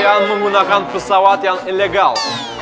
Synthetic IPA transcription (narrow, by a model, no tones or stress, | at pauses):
anmɨmunakanpɨsawat̪janinleɡal